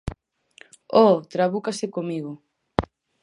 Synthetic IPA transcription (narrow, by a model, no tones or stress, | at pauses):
ɔt̪ɾaβukasekomiɣ̞o